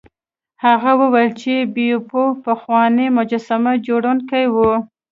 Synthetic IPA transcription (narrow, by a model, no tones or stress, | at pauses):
haɣawəwajlt͡ʃebijopopaxwɑnemʊd͡ʒasamad͡ʒoɽunkajwu